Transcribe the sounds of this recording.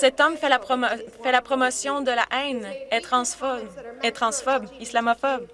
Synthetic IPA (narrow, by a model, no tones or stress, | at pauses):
sɛt̪ɔmfɛlapɔfɛlapχɔmɔsjɔ̃d̪əla̰ʔɛ̃nɛt̪χɑ̃sfɔɛt̪χɑ̃sfɔbislamɔfɔb